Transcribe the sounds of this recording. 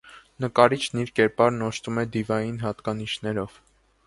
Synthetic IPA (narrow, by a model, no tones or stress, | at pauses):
nəkɑɾit͡ʃʰniɾkɛɾpɑɾnɔʃt̪umɛd̪ivɑjinɦɑt̪kɑniʃnɛɾɔv̥